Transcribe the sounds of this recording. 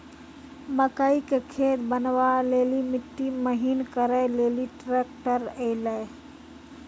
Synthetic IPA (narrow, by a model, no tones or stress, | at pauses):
məkaːikekʰeːt̪bənʋaleːlimɪt̪ːiməɦinkəɾajleːliʈɾeːkʈəɾelaj